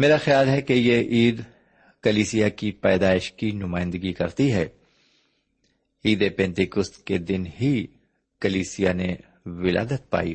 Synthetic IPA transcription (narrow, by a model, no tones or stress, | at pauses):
meːɾaxɪjaːlɦɛkejeʔiːd̪ | kɐliːsijakipɛːd̪aːɪʃkinʊmaːɪ̃nd̪əɡikɐɾt̪iɦɛː | iːd̪epɛ̃ːnt̪ɪkʊst̪ked̪ɪnɦi | kɐliːsijane | ʋɪla̰ːd̪ət̪̚pa̰ːḭ